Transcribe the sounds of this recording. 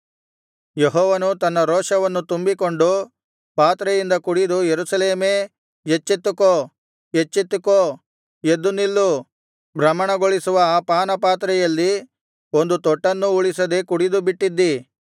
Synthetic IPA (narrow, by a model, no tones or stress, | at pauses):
jeɦɔːʋɐnut̪ɐnːɐɾɔːʂɐʋɐnːut̪umbiko̞ɳɖu | paːt̪ɾɛjind̪ɐkuɽid̪ujeɾusɐleːme̞ː | jet͡ʃːit̪ːuko | et͡ʃːit̪ːuko | jed̪ːunilːu | bɾɐmːɐɳɐɡoɭisuʋɐaːpaːnɐpaːt̪ɾɛjɐlːi | o̞nd̪ut̪ɔʈːɐnːuuɭisɐd̪e̞kuɽid̪ubiʈːid̪ːi